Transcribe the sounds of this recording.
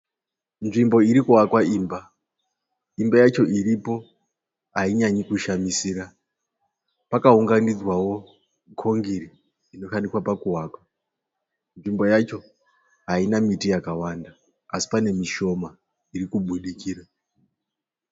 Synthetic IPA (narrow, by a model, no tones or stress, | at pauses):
nʐimbo̞iɾikuɦakwaiːmba | imbajat͡ʃo̞ʔiɾipo̞ | ɦaiɲaɲikuʃamisiːɾa | pakauŋɡanid͡zwawo̞ | kʰoŋɡiɾiː | no̞ʃaniswapakuɦaːkwa | nʐimbo̞jat͡ʃo̞ | ɦainamitijakawanda | asi̥pane̞miʃo̞ma | irikuɓuɗikiːra